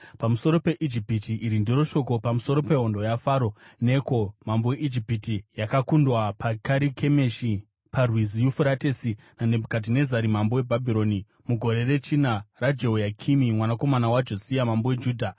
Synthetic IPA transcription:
pamuso̞ɾo̞pe̞ʔid͡ʒipitiʔiɾindiɾo̞ʃo̞ko̞pamuso̞ɾo̞pe̞ɦo̞ndo̞jafaːɾo̞ne̞ko̞mamboweʔid͡ʒipitijakakundwapakaɾikʰe̞meʃi | parwizijufuɾate̞si | nane̞bukat̬ine̞zaɾimambo̞we̞bʱabʱiɾo̞ni | muɡʱo̞ɾe̞re̞t͡ʃinarad͡ʒeojakʰimimwanako̞manawad͡ʒo̞sijamambowe̞d͡ʒuːdʱa

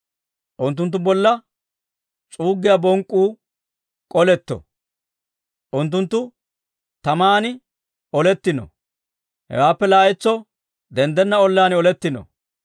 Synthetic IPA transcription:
ʔʊnt̪ːʊnt̪̬ːʊbɔlːɐ | t͡sʼuːɡːɪjabɔŋkʼːuː | kʼɔlɛt̪ːɔ̰ | ʔʊnt̪̬ːʊnt̪ːʊ | t̪ɐmaːnɪ | ɔlɛt̪ːɪnɔ̰ | hɛ̰waːpːɛlaːjɛt͡sːɔ | d̪ɛnd̪ɛnːɐɔlːaːnɔlɛt̪ːɪnɔ̰

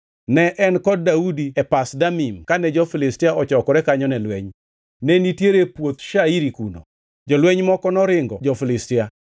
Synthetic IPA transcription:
nɛʔɛnkɔd̚ːaudiɛpasdamimkanɛd͡ʒɔfɪlɪstiaɔt͡ʃɔkɔɾɛkaɲɔnɛlwɛɲ | nɛnitjeɾepwot̪ʃaiɾikuno̰ | d͡ʒɔlwɛɲmɔkɔnɔɾɪŋɡɔ̰d͡ʒɔfɪlɪstɪa

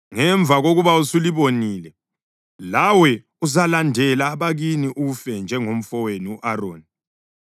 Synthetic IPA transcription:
ŋɛɱb̪vʱaɣoɣuβausuliβoniːlɛ | lawɛ | uzalandʱɛlaːβaɣiniʔuufɛnd͡ʒʱɛŋom̩fɔweniuʔaroːni

